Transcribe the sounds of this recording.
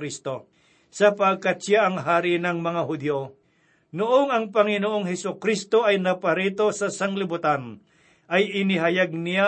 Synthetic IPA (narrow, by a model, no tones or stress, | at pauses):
ɾist̪o | sɐpaɡ̚kat̪̚ʃjaɐŋɦaːɾɪnɐŋmɐŋaɦʊd̪jo | noʔoŋɐŋpɐŋɪnoʔoŋɦɛsokɾist̪oʔɐjnɐpɐɾit̪o̞sɐsɐŋlɪbʊt̪an | ʔɐjɪnɪɦɐjaɡ̚nɪja